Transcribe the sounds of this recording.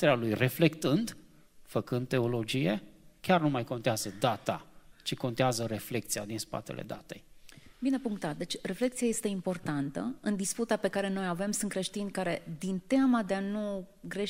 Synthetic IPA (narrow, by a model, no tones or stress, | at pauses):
t̪eɾalujre̞fle̞kt̪ɨnd̪ | fəkɨnd̪̚t̪e̞o̞lo̞d͡ʒije̞kʲarnumajko̞nt̪eazəd̪at̪a̰t͡ʃiko̞nt̪eazəɾe̞fle̞k̚t̪sijad̪inspa̰t̪e̞̰lʔḛd̪a̰t̪e̞̰jbine̞puŋk̚t̪at̪̚d̪e̞t͡ʃʲre̞fle̞kt̪siaje̞st̪e̞impo̞rt̪ant̪əɨnd̪isput̪ape̞kaɾe̞no̞jave̞msunt̪kɾe̞ʃt̪inʲkaɾe̞d̪int̪eamad̪eanuɡɾe̞